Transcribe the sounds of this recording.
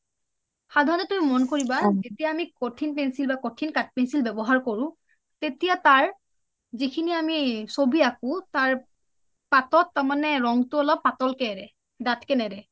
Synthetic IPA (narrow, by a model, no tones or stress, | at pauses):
xadʱaɹɔnɔtumimɔnkoɹibazetijaːmikotʰinpɛnsilbakotʰinkat̚pɛnsilbɛbɔɦaɹkoɹʊ̃ | tetijataɹ | zikʰiniamisobiakʊ̃taɹ | patɔtːamanɛɹɔŋtʊɔlɔpːatɔlkɛɹɛ | datkɛnɛdɛ